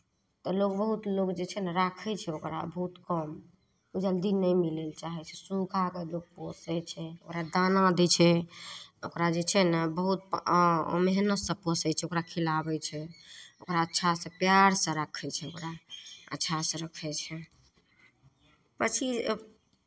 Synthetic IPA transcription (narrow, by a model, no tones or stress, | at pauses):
t̪ɔloɡbəɦut̪loɡd͡ʒet͡ʃʰɛnəɾakʰɛt͡ʃʰɛokɾa̰bəɦut̪kəm | ud͡ʒəld̪inəjmilelt͡ʃaɦɛt͡ʃʰɛsukʰakeloɡ̚posɛt͡ʃʰɛo̰kɾad̪anad̪ɛt͡ʃʰɛ | okɾad͡ʒet͡ʃʰɛnəbəɦut̪̚ | meɦnəsə̃pɔsɛt͡ʃʰɛokɾakʰilabɛt͡ʃʰɛokɾaətːʃʰasẽpjaɾsə̃ɾəkʰɛt͡ʃʰɛokɾaə̰tːʃʰasẽɾəkʰɛt͡ʃʰɛ | pət͡ʃʰi